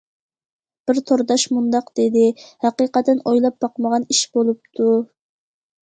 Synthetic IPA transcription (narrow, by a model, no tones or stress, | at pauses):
b̥ɪɾt̪ʰoɾd̪ɑʃmund̪ɑqd̪̥ɪd̪ɪhæqiqɑt̪ɪnojlˠɑp̚bɑqməʁɑniʃbolˠup̚t̪ʰu